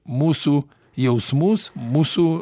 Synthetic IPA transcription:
musu | jɛwsmusmusu

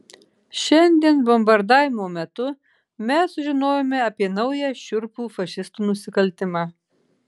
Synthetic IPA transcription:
ʃʲɛnʲd̪ʲiɛnbɔmbɐɾd̪ɑːʋʲɪmoːmʲɛt̪ʊ | mʲɛsʊʒʲɪnoːjoːmʲɛɐpʲiɛnɐʊjɛʃʲʊɾpuːfɐʃʲɪst̪uːnʊsʲɪkɐlʲt̪ʲɪmɑː

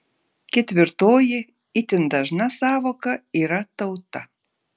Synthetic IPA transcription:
kʲet̪ʲβɘrt̪oje | it̪ɘ̆nd̪ɑʒnɑsɑβŏkɑiɾɑt̪ːɤwt̪ːɑ

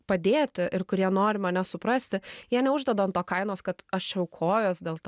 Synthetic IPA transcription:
pɐd̪ʲeːt̪ʲɪʔɪɾkʊɾʲiɛnoːɾʲɪmɐnʲɛsʊpɾɐsʲt̪ʲɪjiɛnʲɛʊʒd̪ʲɛd̪oːɐnt̪oːkɐɪnoːskɐt̪ɐʃt͡ʃʲɛʊkʰoːjoːsd̪ʲeːlˠt̪

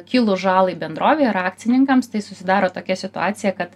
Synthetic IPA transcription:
kʲɪlˠʊʒɑːlˠɐɪbʲɛnd̪ɾoːʋʲeːɪɾɑːk̚t̪sʲɪnʲɪŋkɐmst̪ɐɪsʊsʲɪd̪ɑːɾoːt̪oːkʲɛsʲɪt̪ʊɑːt̪ʲɪjɛkɐt̪

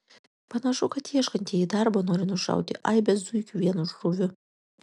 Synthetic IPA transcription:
pɐnɐʃʊkɐt̪iːɛʃkɐnʲt̪ʰʲiɛid̪arbonoːɾʲɪnʊʃɑ̰wt̪ʲɪ̰ʔaɪbʲɛszujkʲuʋʲiɛnuʒrʊʋʲʊ

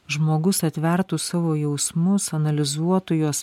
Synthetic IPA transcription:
ʒmoːɡʊsɐt̪ʲʋʲɛɾt̪uːsɑːʋoːjɛʊsmʊsɐnɐlʲɪzuɔt̪ojuːs

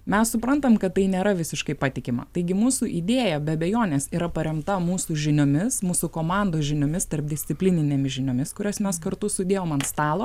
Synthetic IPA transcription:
mʲɛssʊpɾɐnt̪ɐmkɐt̪t̪ːɐɪnʲeːɾɐʋʲɪsʲɪʃkɐɪpɑːt̪ʲɪkʲɪmɐ̰t̪ɐɪɡʲɪmuːsuʔid̪ʲeːjɛbʲɛɐbʲɛjoːnʲeːsiːɾɐpɐɾʲɛmt̪ɐmuːsuʒʲɪnʲʊmʲɪsmuːsukoːmɑnd̪oːʒʲɪnʲʊmʲɪst̪ɐrp̚d̪ʲɪsʲt̪sʲɪpʲlʲɪnʲɪnʲeːmʲɪsʒʲɪnʲʊmʲɪskʊɾʲɛsmʲɛskɐɾt̪ʊsʊd̪ʲeːjoːmɐnst̪ɑːlˠoː

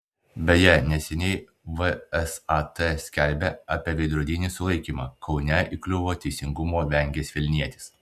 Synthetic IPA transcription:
bʲɛjɛnʲɛsʲɛnʲɛɪ | ʋəɛsɑt̪ɛsʲkʲɛlʲbʲeɑpʲiɛʋʲɛɪd̪ɾuɔd̪ʲinʲisʊlˠɐɪkʲiːmɑːkʰɒʊnʲɛʔiklʲʊʋoːt̪ʲɛɪsʲɪŋɡʊmoːʋʲɛŋʲɡʲeːsʋʲɪlʲnʲiɛt̪ʲɪ̥s

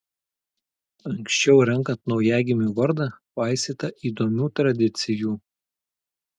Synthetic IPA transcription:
ɐŋksʲt͡ʃʲɛʊɾʲɛŋˑkɐnt̪nɒʊjæːɡʲɪmʲuːˑʋɐɾd̪ɑpɐˑɪsʲeːt̪ɐʔiːd̪oːmʲuːt̪ɾɐd̪ʲɪt̪sʲɪjuː

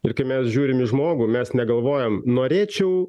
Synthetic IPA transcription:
ɪrkɐɪmʲɛsʒʲuːɾʲɪmɪʒmoːɡʊːmʲɛsnʲɛɡɐlˠʋoːjɛmnoːɾʲeːt͡ʃʲɛʊ

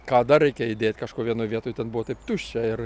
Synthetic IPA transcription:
kɑːd̪ɐɾʲɛɪkʲɛɪd̪ʲeːtʲkɐʃkuɔʋʲiɛnoːjʋʲiɛt̪oːjt̪ʲɛnbʊʋɔt̪ɐɪpt̪ʊʃʲt͡ʃʲɛɪr

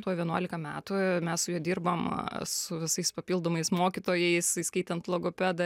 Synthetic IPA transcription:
t̪uɔʋʲiɛnuɔlʲɪkɐmʲæːt̪ʊmʲɛssʊjuɛd̪ʲiːrbɐmsʊʋʲɪsɐɪspɐpʲilˠd̪oːmɐɪsmoːkʲɪt̪oːjɛɪsiskɐɪt̪ʲɛnt̪plˠɐɡoːpʲæːd̪ɐ

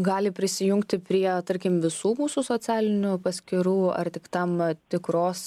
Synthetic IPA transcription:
ɡɑːlʲɪpʲɾʲɪsʲɪjʊŋkt̪ʲɪpʲɾʲiɛt̪ɐɾʲkʲɪmʋʲɪsuːmuːsusoːt͡s̪ʲæːlʲɪnʲʊpɐsʲkʲɪɾuːɐ̰rt̪ʲɪkt̪ɐmt̪ʲɪkɾoːs

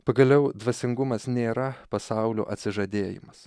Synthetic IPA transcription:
pɐɡɐlʲɛʊd̪ʋɐsʲɪŋɡʊmɐsnʲeːɾɐpɐsɑˑʊlʲo̰ːʔɐt̪ʲsʲɪʒɐd̪ʲeːjɪ̰mɐs

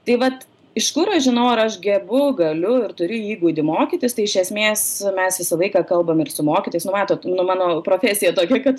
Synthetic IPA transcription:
t̪ɐɪʋɐt̪ | ɪʃkʊɾɐʃʒʲɪnɐʊɐɾɐʃɡʲɛbʊɡɐlʲʊɪrt̪ʊɾʲʊiːɡuːd̪ʲɪmoːkʲiːt̪ʲɪst̪ɐɪɪʃʲɛsʲmʲeːsmʲɛsʋʲɪsɐlˠɐɪkɑːkɐlˠbɐmɪrsʊmoːkʲɪt̪oɪsnʊmɑːt̪oːt̪nʊmɑːnoːpɾoːfʲæːsʲɪjɛt̪oːkʲɛkɐt̪

